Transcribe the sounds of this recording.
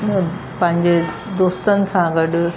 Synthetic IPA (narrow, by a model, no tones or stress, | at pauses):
pɐ̃ɦɪ̃ɲd͡ʑe | d̪oːst̪ənɪ̆sãɡɐɗʊ